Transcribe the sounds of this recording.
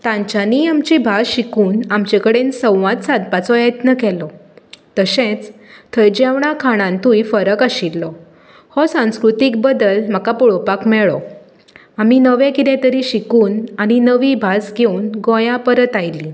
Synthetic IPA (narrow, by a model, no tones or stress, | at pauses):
t̪ãɲt͡ɕaniamt͡ɕibʱasɕikuːnamt͡ɕekəɽensə̃w̃ʋãt̪sad̪̚pat͡sɔjət̪nəkɛlɔt̪əɕẽt͡s | t̪ʰəjd͡ʑeʋɽ̃akʰaɽ̃ãnt̪uifəɾəkaɕilːɔ | hɔsãw̃skɾut̪ik̚bəd̪əlm̤akapɔɭɔpakmɛɭɔ̰ | aminəʋẽkit̪ɛ̃t̪əɾiɕikuːnaɽ̃inəʋibʱasɡʱeunɡɔ̃jãpəɾət̪ajli